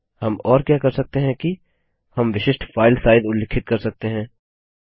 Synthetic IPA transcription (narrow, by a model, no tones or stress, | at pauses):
hɐmɔːɾkjaːkɐɾsɐk̚t̪eɦɛ̃ki | hɐmʋɪʃɪʃʈfʰaːɪlsaːɪd̪ʊlːɪkʰɪt̪̚kɐɾsɐk̚t̪eɦɛ̃ː